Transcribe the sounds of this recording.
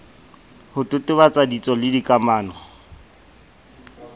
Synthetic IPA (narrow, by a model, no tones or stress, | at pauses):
hʊtʼʊtʼɪbat͡sʼadit͡sʼɔlɪdikʼamaːnɔ